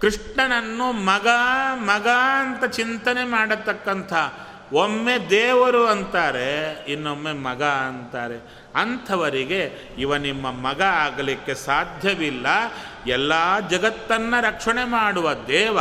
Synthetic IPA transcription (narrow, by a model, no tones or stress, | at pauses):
kɾiʂɳɐnɐnːumɐɡɐmɐɡɐɐnt̪ɐt͡ʃint̪ɐnemaːɽɐt̪ːɐkːɐnt̪ʰɐ | omːed̪ɛːʋɐɾuɐnt̪aːɾeinːomːemɐɡɐɐnt̪aːɾe̞ | ɐnt̪ʰɐʋɐɾiɡe̞ | iʋɐnimːɐmɐɡɐaːɡɐlikːe̞saːd̪ʱjɐʋilːɐ | ɛlːaːd͡ʒɐɡɐt̪ːɐnːɐɾɐkʂɐɳemaːɽuʋɐd̪ɛːʋɐ